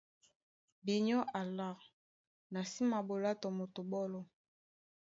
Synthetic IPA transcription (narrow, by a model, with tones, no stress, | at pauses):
bi˨ɲɔ˦ʔa˨la˦˨ʁ | na˨si˦ma˨bo˨la˦tɔ˨mo˨to˨bɔ˦lɔ˦